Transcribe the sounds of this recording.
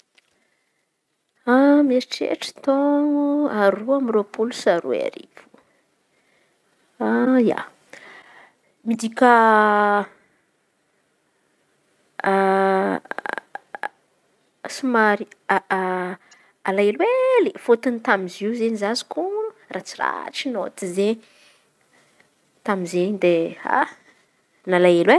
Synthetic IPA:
ameiʈ͡ʂḛʈ͡ʂə̥t̪oŋuaɾuamiropulusaɾṵa̰ɾḭvu̥ | aja̰ | mid̪ikʲa | sumaɾia | alaelwelifot̪unit̪amiziwzeɲizazi̥kuɾurat͡sira̰ʈ͡ʂinot̪izeɲ | t̪amizeɲd̪ea̰ | nalaelwe

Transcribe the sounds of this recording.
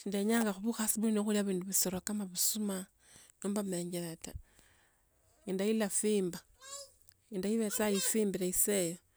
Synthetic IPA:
ʃiːndeɲaːŋɡaxuβuxasiβuinoxuliaβiːnduβisoɾokamaβusuma | noːmbameːɲɡeɾata | indailafiːmba | indajiβet͡sajifiːmbiɾeisejo

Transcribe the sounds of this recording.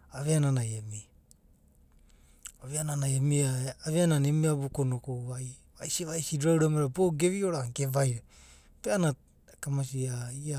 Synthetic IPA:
aβeananajemi | aβeananajemiaːβeananemiaβokonokoaj | βajsiβajsiduɾawɾameɾaboɡe̞βioɾaŋkevajɾe | peana | kamas̬iaia

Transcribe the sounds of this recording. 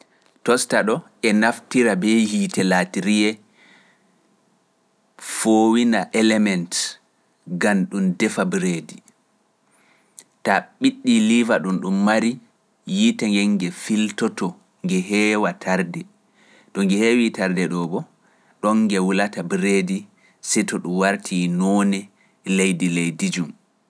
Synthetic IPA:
tɔstaɗɔ | ɛnaftiɾabɛjitɛlatiɾijɛ | foːwinaʔɛlɛmɛnt | ɡanɗumdɛfabɾedi | taɓiɗːilivaɗunɗumːaɾi | jitaŋɡɛŋɡɛfiltɔtɔ | ŋɡɛɦɛːwatʰaɾdɛ | tɔŋɡɛhewitaɾdɛɗɔɓɔ | ɗɔŋːɡɛwulatabɾedi | sɛtɔɗumwaɾtʰinɔnɛ | lejdilejdid͡ʒum

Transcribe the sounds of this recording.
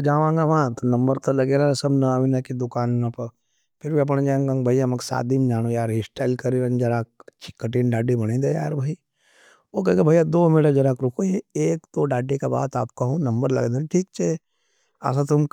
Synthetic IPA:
d͡ʒaːʋãːŋɡaʋãːt̪nɐ̃mbəɾt̪olɐɡeːɾasɐbnɐaːʋinɐkid̪ʊkaːnnɐpɐ | pʰɪɾʋiɐp̬ənẽd͡ʒãːŋɡãːŋbʱɐiamɐksa̰ːt̪̚d̪ind͡ʒaːñojaːɾɦisʈaːɪlkɐɾiɾẽnd͡ʒɐɾaːk̚t͡ʃʰɪ̥kːəʈiːnɖaːɖibɐɽ̃ĩd̪eja̰ːɾbʱai | okɐ̃ɡebʱajad̪oːmeɽad͡ʒɐɾaːkɾʊkʰojeeːkt̪oɖaːɖikaba̰ːt̪a̰ːp̚kɐɦũnɐ̃mbəɾlɐ̰ɡd̪ẽʈʰiːk̚t͡ʃʰe | a̰s̬at̪ʊm

